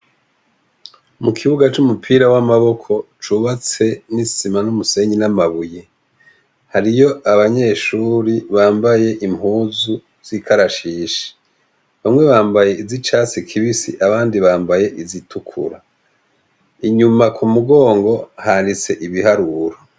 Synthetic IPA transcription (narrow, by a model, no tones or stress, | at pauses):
mukʰiβuɡat͡ʃumupʰiːɾawamaβo̞kʰo̞t͡ʃuβat͡se̞nisimanumuse̞ɲinamaβuje | haɾijo̞aβaɲe̞ːʃuːɾiβaːmbaje̞ʔimhuːzu | z̥ikʰaɾaʃiːʃi̥ | βamŋe̞βaːmbaje̞izit͡ʃaːsikʰiβisḭʔaβaːndiβaːmbaje̞ʔizitukʰṵɾa | iɲumakʰumuɡo̞ːŋɡo̞handit͡se̞ʔiβihaɾuɾa